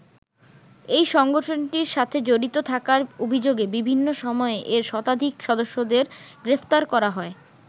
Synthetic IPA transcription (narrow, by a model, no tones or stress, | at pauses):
ejʃɔŋɡoʈʰonʈiɾʃat̪ʰed͡ʑoɾit̪ot̪ʰakaɾobʱid͡ʑoɡebibʱinːoʃɔmɔeʔeɾʃɔt̪ad̪ʱikʃɔd̪oʃːod̪eɾɡɾeft̪aɾkɔɾaɦɔe